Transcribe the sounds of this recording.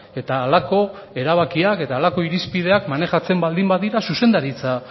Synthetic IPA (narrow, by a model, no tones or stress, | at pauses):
e̞t̪aːlako̞e̞ɾaβakiake̞t̪aːlako̞iɾispið̞e̞akmane̞ʝat͡se̞mbald̪imbaðiɾasuse̞nd̪aɾit͡sa